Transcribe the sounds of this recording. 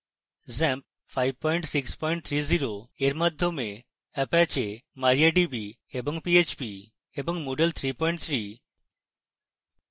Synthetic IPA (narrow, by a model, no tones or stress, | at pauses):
zɛmp̚ | fʰajb̚pɔjɳʈsikspɔjɳʈ̚t̪ʰɾiziɾoeɾmad̪ʱjome | ɛpat͡ʃemaɾijaɖibi | ebɔŋpiet͡ʃpi | ebɔŋmoɖelt̪ʰɾipɔjɳʈ̚t̪ʰɾi